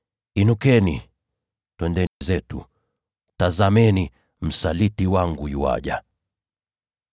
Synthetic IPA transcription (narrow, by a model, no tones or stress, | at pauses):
inukɛni | twɛndɛnizɛtṵ | tazamɛni | m̩salitiwaŋɡujuwa̰ʄa̰